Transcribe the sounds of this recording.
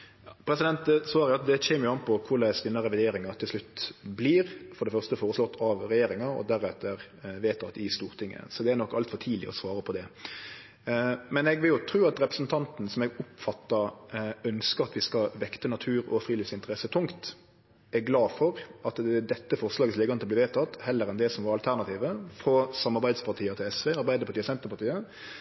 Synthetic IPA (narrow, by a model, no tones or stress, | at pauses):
ɑpʰɾɛsɪd̪ɛnt̪̚sʋɑːɾəjʊɑt̪̚d̪ɛçɛːmːjʊɑnpʰɔkʰʊlæɪsd̪ɪnɑɾɛʋɪd̪eːɾɪŋɑɾt̪ʰɪlslʉt̪ːbliːɾfɔɾɖ̪ɛfœʁst̪əfoːɾəslɔt̪ʰːɑʋɾɛjeːɾɪŋɑɔ̰d̪æɾæt̪ʰəɾ | ʋeːt̪ɑt̪ɪst̪uːɾt̪ʰɪŋːə̰sɔd̪ɛænɔkːɑlt̪fɔt̪ʰiːlɪ̰ɔ̰sʋɑːɾəpʰɔd̪ɛ | mɛnɛɡʋɪljʊt̪ʰɾʉːɑt̪ɾɛpɾəsn̩t̪ʰɑnt̪n̩sɔmɛɡʊpfɑt̪ːɑœnskəɾɑt̪ʋɪskɑʋɛkt̪ənɑt̪ʰʉːɾɔ̰fɾiːlɪːfsɪnt̪əɾɛsət̪ʰʊŋkt̪ | ɛɾɡlɑːfɔɾʔɑt̪d̪ɛt̪ːəfɔʁslɑːɡətsleːɡɑnɔb̪ʋeːt̪ʰɑt̪ːhɛlːəɾɛnd̪ɛsɔmʋɑɾɑlt̪ʰæʁnɑt̪ʰiːʋəfɾɔsɑmːɑɾbæɪspɑʁt̪ʰiːət̪ʰɪlɛsʋeːɑɾbæɪd̪əpʰɑt̪iːəsɛnt̪əɾpɑɾt̪iːə